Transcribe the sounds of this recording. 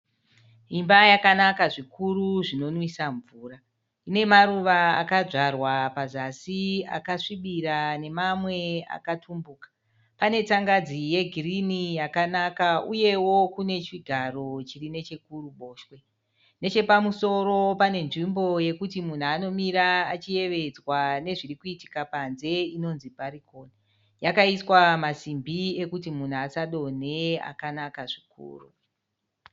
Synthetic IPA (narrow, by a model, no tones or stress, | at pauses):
imbajakanakaʐikʰuɾuʐino̞nwisaɱvuːɾa | ine̞maɾuʋaa̰kaʐarwapazasia̰kaʂiɓiɾane̞mamwe̞a̰katʰumbuːkḁ | pane̞t͡saŋɡad͡zije̞ɡʱirinijakanakauje̞wo̞kune̞t͡ʃiɡʱaɾo̞t͡ʃirine̞t͡ʃe̞kuruɓo̞ːʃwe̞ | ne̞t͡ʃe̞pamuso̞ɾo̞pane̞nʐimbo̞je̞kutimun̤uano̞miɾaːt͡ʃije̞ʋe̞d͡zwane̞ʐirikuiti̥kapanze̞ino̞nzipaɾikoːne | jakaiswamasimbie̞kutimun̤uasaɗo̞ne̞a̰kanakaʐikṵːru